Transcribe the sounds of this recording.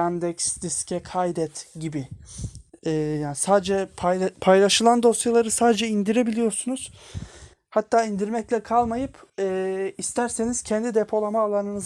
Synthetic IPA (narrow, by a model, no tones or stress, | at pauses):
æmd̪ɛksd̪iscʰɛkʰajd̪ɛt̪ɟibi | ɛːjaːnisaːd̪d͡ʒɛpʰjpʰajlˠaʃɯlˠand̪o̞sjalˠaɾɯsaːd̪ed͡ʒɛind̪iɾe̞bilʲijo̞ɾsunuz̥ | hat̪ʰːaːind̪iɾmɛclʲɛkʰalˠmajɯpɛːist̪ʰæɾse̞niz̥cʰɛnd̪id̪epʰo̞lˠamaːlˠanɯnɯz